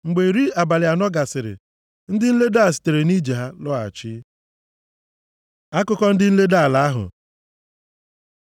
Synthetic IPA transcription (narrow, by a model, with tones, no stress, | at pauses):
ŋ͡m̩˨ɡ͡be˨ɾi˦a˨ba˨lɪ˨a˨nɔ˦ɡa˨sɪ˨ɾɪ̰˨ | n̩˦dɪ˦n̩˦le˦da˦˨s̬ɪ̥˨te˨ɾe˨ni˦d͡ʒe˨ɦa˦lɔ˦a̰˨t͡ʃɪ˦ | a˦kʊ˦kɔ˦n̩˦dɪ˦n̩˦le˦da˦a˨la˨a˦ɦʊ̰˨